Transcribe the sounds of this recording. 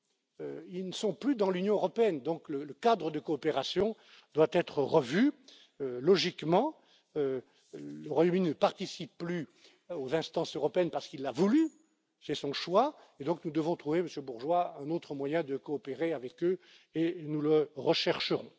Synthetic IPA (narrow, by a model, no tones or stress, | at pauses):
øilnəsɔ̃plyd̪ɑ̃lynjɔ̃øʁɔpeɛnd̪ɔ̃klələkad̪ʁəd̪əkɔːpeʁasjɔ̃ | d̪wat̪ɛt̪χəʁəvy | ølɔʒikmɑ̃ | ø | ləʁwajomyninəpaʁt̪isipːly | ozɛ̃st̪ɑ̃søʁɔpeɛnpaʁsə̥kilːavuly | sɛsɔ̃ʃwa | ed̪ɔ̃knud̪əvɔ̃t̪χuveməsjøbuʁʒwaɛ̃not̪χəmwajɛ̃d̪əkɔːpeʁeavɛkø | enuləʁəʃɛʁʃəʁɔ̃